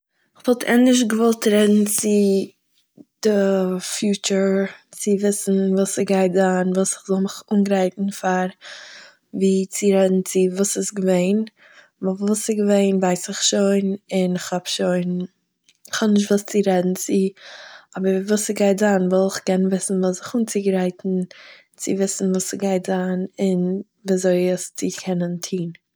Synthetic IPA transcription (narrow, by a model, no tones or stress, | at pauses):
ɪχvɔlˠtʰɛ̰nɪʃ̬ɡəvɔlˠtɾɛdn̩t͡sɪ | d̥ɪfjuːt͡ʃəɾt͡sɪvɪsn̩vuːsɪɡaɪtzanvuːsɪ̥χzɔlˠmɪχuːnɡɾaɪtn̩faɾ | viːt͡sɪɾɛdn̩t͡sɪvuːsɪsɡəveɪn | vˠvuːsɪɡəveɪnvaɪsɪχʃoɪnɪnɪχhabʃoɪn | ɪχhɔbnɪʃ̬tvuːst͡sɪɾɛdn̩t͡sɪ | ɔbəɾvuːsɪɡaɪtzaːnvɛlˠɪχkɛnvɪsn̩vusɪχuːnt͡sɪɡɾaɪtn̩ | t͡sɪvɪsn̩vuːsɪɡaɪtzaːnɪn | viːzoɪəst͡sɪkʰɛnəntʰiːn